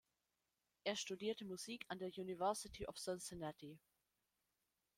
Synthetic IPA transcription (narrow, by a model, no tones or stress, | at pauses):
ʔɛɐʃtudiːɐtəmuziːkʰãndejunɪvɜˑsɪtʰiʔɔfsãnsɛnɛti